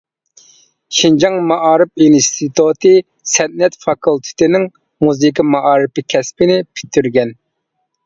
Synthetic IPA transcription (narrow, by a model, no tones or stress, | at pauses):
ʃind͡ʒɑŋmɑʔɑːɾɨp̚inst̪ʰit̪ut̪ʰɨ | sɛnnɛt̪fɑkʰulˠt̪ʰɪ̥t̪ɪnɪŋ | muzɨkimɑʔɑːɾɨpɪkʲʰɛspɪnɪpʰi̥t̪ʰːyɾɡʲɛn